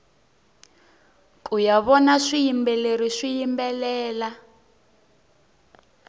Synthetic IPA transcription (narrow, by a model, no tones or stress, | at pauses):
k̬ʼujaβɔnaʂijimbɛleɾiʂijimbɛlɛːla